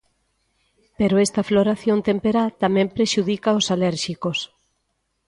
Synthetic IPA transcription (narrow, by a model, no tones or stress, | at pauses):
peɾoest̪ɐfloɾaθjont̪empeɾat̪amɛ̃mpɾeʃuðikaosalɛɾʃikos